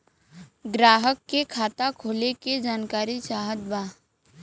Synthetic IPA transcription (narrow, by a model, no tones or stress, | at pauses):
ɡɾaːɦəkːekʰaːt̪akʰoːleked͡ʒaːnkaːɾisaːɦət̪baː